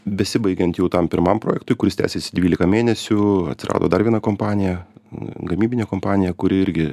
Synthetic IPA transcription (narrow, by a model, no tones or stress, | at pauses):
bʲɛsʲɪbɐɪɡʲɛnt̪jɛʊt̪ɐmpʲɪɾmɐmpɾoːjɛkt̪ʊɪkʊɾʲɪst̪ʲæ̰ːsʲeːsʲɪd̪ʲʋʲiːlʲɪkɐmʲeːnʲɛsʲʊɐ̰t̪ʲsʲɪɾʔɑ̰ːd̪o̰ːd̪ɐɾrʋʲiɛnɐkompɑːnʲɪjɛɡɐmʲiːbʲɪnʲeːkoːmpɑːnʲɪjɛkʊɾʲɪɪɾʲɡʲɪ